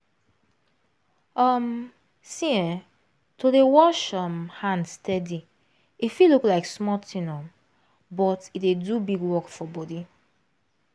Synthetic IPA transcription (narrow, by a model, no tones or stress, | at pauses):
ʌm | sĩɛ̃ | tʰodewɔʃʌmhãndstɛdi | ifiluklaɪksmɔtʰĩnɔm | bɔtitedubiɡwɔkfɔbɔdi